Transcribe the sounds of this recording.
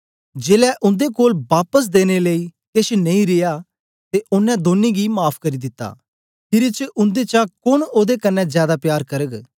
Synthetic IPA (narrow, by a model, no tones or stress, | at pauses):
d͡ʒeːlɛʔʊ̃nd̪ekoːlbaːpəs̬d̪eːñeleikeʃnɐ̃ĩɾɪja | t̪eʔʊnːɛ̃d̪oːnːiɡimaːpʰkɐɾid̪ɪt̪ːa̰ | pʰɪɾit͡ʃəʔʊ̃nd̪et͡ʃakʊñoːd̪ekɐnːɛ̃zjaːd̪apjaːɾkɐɾəɡ